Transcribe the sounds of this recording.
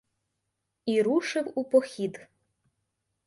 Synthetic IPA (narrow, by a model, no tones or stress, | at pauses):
iɾuʃɪwupɔxʲid̪